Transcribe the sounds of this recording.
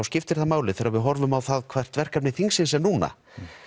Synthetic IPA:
awscɪft̪ɪɾ̥θaðmaːwlɪθɛːɾavɪðɦɔɾvʏmawθaðkʰvɛr̥t̪vɛr̥kapnɪθiŋsɪnsɛnuːna̰

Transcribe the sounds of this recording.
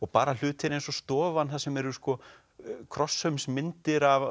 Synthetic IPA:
ɔɣpaːɾal̥ʏːt̪ʰɪɾejnsɔst̪ɔːvanθasɛmɛɾʏskɔ | kʰɾɔsːœmsmɪnt̪ɪɾav

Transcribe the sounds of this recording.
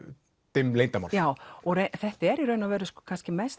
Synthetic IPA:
t̪ɪmleːjnt̪ama̰njaːwɔɣɾeθɛht̪ɪɛɾiɾœːɥnavɛːɾʏsɔkʰanscɪmɛst

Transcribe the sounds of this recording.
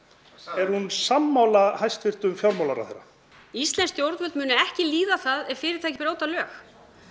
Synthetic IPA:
ɛɾ̥hunsamːawlahajst̪vɪr̥t̪ʏmfjawɾmawlaɾa̰θejɾːa̰ | ist̪lɛnst̪jowɾt̪vʏlt̪mʏːnʏɛhcɪliːðaθaðɛfɪːɾɪɾ̥t̪ʰajcɪ̥pɪɾaːwt̪alœːx

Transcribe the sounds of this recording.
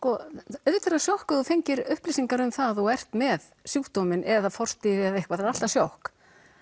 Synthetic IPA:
skɔœðt̪ɛɾasjawhkʏðɔfejɲcɪɾʏhplɪːsiŋkaɾʏmθaðɔɛr̥t̪mɛðsjuːht̪oːmɪnʔɛðafɔr̥t̪ɪvɪaðehkvaθaɾal̥t̪asjowhk

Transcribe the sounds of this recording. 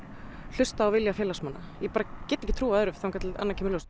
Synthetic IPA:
l̥ʏst̪aːwvɪljafɛːlasmanːajɛpaːɾacɛːt̪ːɛçcɪ̥t̪ʰɾuːaœɾʏvθawŋkat̪la̰nːacʰɪmɪlɔs

